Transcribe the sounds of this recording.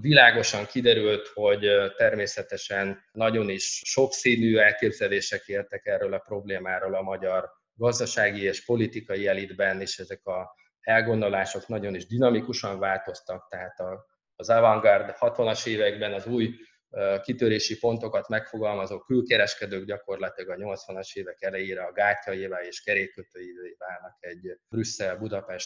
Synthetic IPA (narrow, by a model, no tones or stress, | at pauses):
vilaːɡo̞ʃɒŋkid̪ɛɾylt̪ho̞ɟt̪ɛrmeːsɛt̪ɛʃɛnːɒɟo̞niʃːo̞ksiːnyːɛlkeːbzɛleːʃɛkeːrt̪ɛkɛrːøːlɒpro̞bleːmaːɾoːlɒmɒɟɒr | ɡɒzd̪ɒʃaːɡieːʃpo̞lit̪ikɒjiɛlid̪bɛneːʃɛzɛkɒ | ɛlɡo̞nd̪o̞laːʃo̞knɒɟo̞niʒd̪inɒmikuʃɒɱvaːlt̪o̞st̪ɒk̚t̪ɛɦaːt̪ɒː | zavɒŋɡɒrd̪hɒt̪ʋɒnɒʃeːvɛɡbɛnɒzuːj | kit̪øɾeːʃipo̞nt̪o̞kɒt̪mɛkfo̞ɡɒlmɒzoːkylkɛɾɛʃkɛd̪øːɡɟɒko̞rlɒt̪ilɒɡɒɲo̞lt̪sʋɒnɒʃeːvɛkɛlɛjeːɾɛɒɡaːcːɒjivaleːʃkɛɾeːkːøt̪øːjid̪øːjivaːlnɒkɛɟbrysːɛlbud̪ɒpɛʃt̪̚